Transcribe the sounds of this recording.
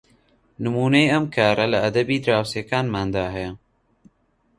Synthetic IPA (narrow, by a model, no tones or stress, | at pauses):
nɪmuːnajɐmkaːɾɐlaːd̪ɐbiːd̪ɾaːwseːkaːnmaːnd̪aːɦa